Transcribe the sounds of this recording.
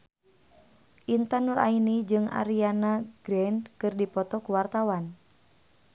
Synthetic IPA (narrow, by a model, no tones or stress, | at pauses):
ʔint̪anuɾʔa̰inid͡ʒɨŋa̰ɾianaɡ̥ɾɛnkɨrdipɔt̪ɔkuwart̪awan